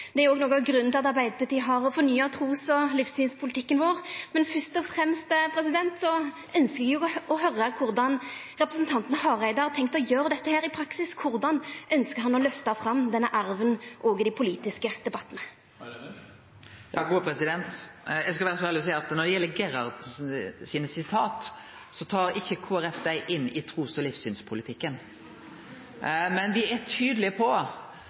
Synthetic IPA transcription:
d̪ɛæɾʊoːɡnoːɡɑɡɾʉnnɪlɑt̪ɑɾbæɪd̪əpɑʈ̪iːəɦɑɾɔfɔɾnyːɑt̪ʰʁuːsɔlifssyːnspʰʊlɪt̪ʰɪkːənʋoːʁmɛnfœst̪ɔfʁɛmst̪pʰɾɛsɪd̪ɛnt̪sɔ | œnskəɡjʊɔhœɾːəkʰʊɾd̪ɑn | ɾɛpɾəsn̩t̪ʰɑnt̪nəhɑʁæɪd̪ɑɾt̪ʰɛŋk̚t̪ɔjøːɾəd̪ɛt̪ːəheːɾɪpʰɾɑksɪskʰʊɾd̪ɑnʔœnskəɾhɑnɔlœft̪ɑfɾɑmːd̪ɛnːəʔɑɾʋənʔoːɡəd̪ɪpʰʊliːt̪ɪskəd̪̥ɛbɑt̪ːənə | jɑːɡuːpʰɾɛsɪd̪ɛnt̪jɛɪɡskɑʋæːɾəsɔæːɾlɪɔs̬æɪɑt̪nɔd̪ɛjɛlːəɡɛɾɑɾd̪siːnəsɪt̪ʰɑːt̪ | sɔt̪ʰɑːɾɪçːəkʰuːæɾɛfd̪æɪʔɪnːɪt̪ʰɾuːsɔlifsyːnspʰʊlɪt̪ʰɪkːən | mɛnʋɪɛt̪ʰyːd̪əlɪəpʰɔ

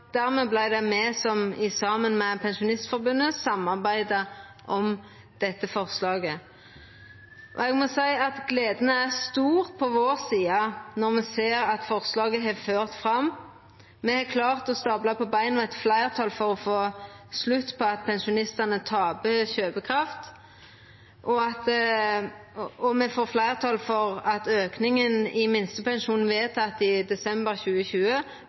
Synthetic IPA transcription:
d̪̥æʁmɛblæɪd̪ɛmɛːsɔmɪsɑmənmɛpʰɛnʃʊnɪst̪fɔɾbʉnːəsɑmːɑʁbæɪd̪ə | ʔɔm | d̪̥ɛt̪ːəfɔʁslɑːɡə | ʔɔ̰ɛɡmɔsæɪɑt̪ɡleːd̪ənəæʁst̪uːʁpʰɔʋoːʁsiːɑnɔʁmɛseːʁɑt̪fɔʁslɑːɡəɦɑføːʁt̪fʁɑm | mɛhɑkʰlɑːʁt̪ɔst̪ɑblɑpʰɔbæɪnɔɛt̪flæɪʁt̪ʰɑːlfɔʁɔfoːslʉt̪ːpʰɔɑt̪pʰɛnʃʊnɪst̪ɑnət̪ʰɑːbəçøːbəkʰʁɑft̪ | ʔɔɑt̪ | ɔmɛfoːflæɪʁt̪ʰɑːlfɔʁɑt̪øːknɪŋənɪmɪnst̪əpɛnʃuːnʋeːt̪ɑt̪ɪd̪ɛsɛmbəɾçʉːəçʉːə

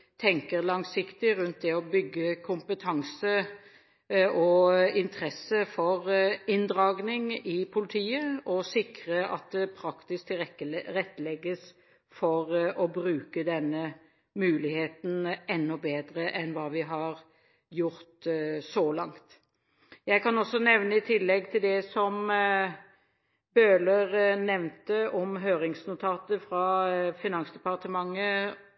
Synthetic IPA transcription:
t̪ʰɛŋkəʁlɑŋsɪkt̪ɪɾʉnt̪̚d̪ɛɔbʏɡːəkʰʊmpət̪ʰɑŋsə | ɔɪnt̪ʰʁɛsəfɔʁɪnd̪ʁɑːɡnɪŋɪpʰʊlɪt̪ʰiːəɔsɪkɾəʔɑ̰t̪̚d̪ɛpʰɾɑkt̪ɪsk̚t̪ʰɪɛəʁɛt̪ːəlɛɡːəs | fɔʁɔbɾʉːkəd̪ɛnːə | mʉːlɪheːt̪n̩ɛnːɔbeːd̪ɾəʔɛnʋɑːʋɪɦɑɾ | jʊɾt̪sɔlɑŋt̪ | jæɪkɑnɔsːɔnɛʋnəɪt̪ʰɪlːɛɡt̪ʰɪld̪ɛsɔm | bøːləʁnɛʋnt̪əɔmɦøːɾɪŋsnʊt̪ʰɑːt̪əfɾɑfɪnɑnsd̪ɛpɑʁt̪əmɑŋːə

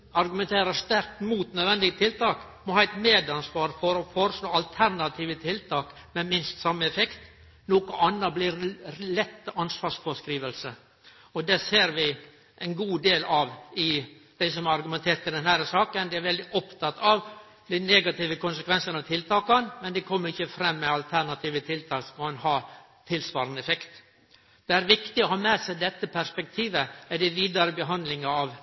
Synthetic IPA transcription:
ɑɾɡʉmɛnt̪ʰeːɾəst̪æɾk̚t̪muːt̪nœd̪ʋɛnd̪ɪɡət̪ʰɪlt̪ɑːk | mɔhɑːɛɪt̪meːd̪ɑnsʋɑːɾfɔɾɔfɔɾəsloːɑlt̪ʰæɾnɑt̪ʰiːʋət̪ʰɪlt̪ʰɑːk | mɛmɪnst̪sɑmːəɛfɛkt̪ | noːkʊʔɑnːəbliɾlɛt̪ːɑnsʋɑːɾsfɔskɾiːʋəlsə | ɔd̪ɛseːɾʋɪ | ʔɛnɡuːd̪eːlɑʋɪ | d̪̥æɪsɔmɑɾɑɾɡʉmɛnt̪ʰeːɾt̪ɪd̪ɛnhæɾəsɑːkənd̪ɪæɾʋɛld̪ɪʔɔpt̪ʰɑt̪ːɑʋ | d̪ɛneːɡɑt̪iːʋəkʊnsəkʰʋɛnsənɑʋt̪ʰɪlt̪ʰɑːkɑnmɛnd̪ɛkʰɔmːəɾɪçːəfɾɛmːɛɑlt̪ʰæɳɑt̪ʰiːʋət̪ʰɪlt̪ʰɑːksɔmɔɑnhɑː | t̪ʰɪlsʋɑːɾənəɛfɛkt̪ | d̪̥ɛæɾʋɪkt̪ɪɔhɑːmɛsæɪd̪ɛt̪ːəpʰæʂpɛk̚t̪ʰiːʋəæd̪ɛʋiːd̪ɑɾəbəɦɑnd̪lɪŋɑɑʋ

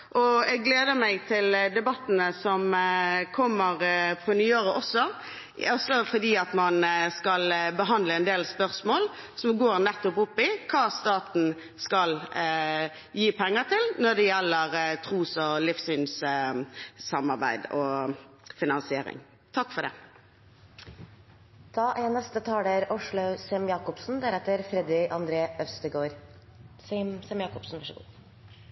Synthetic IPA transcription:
ʔɔɛɡɡleːd̪əmæɪt̪ʰɪld̪ɛbɑt̪ːənəsɔmkʰɔmːəɾpʰʁʊnyøːɾəʔɔsːɔ | ɔsːɔfɔd̪iːɑt̪mɑnskɑlbəɦɑnd̪ləɛnd̪eːlspœɾsmoːl | sɔmɡoːɾnɛt̪ːɔpʊpːɪkʰɑːst̪ɑːt̪n̩ | skɑl | jiːpʰɛŋːəɾt̪ʰɪlnɔd̪ɛjɛlːəɾt̪ʰʁuːsɔlɪfsʏns | sɑmːɑɾbæ̰ɪd̪ɔ | fɪnɑnsɪeːɾɪ̰ŋ | t̪ʰɑkːfɔɖ̪ɛ̰ | t̪ʰɑːʔɛnɛst̪ət̪ʰɑːd̪əɾʊʂɭʊsɛmjɑːkɔpsn̩d̪æɾɛt̪ːəɾfɾɛd̪ɪɑnd̪ɾeːœst̪əɡoːɾ | sɛmjɑːkɔpsn̩æʂ

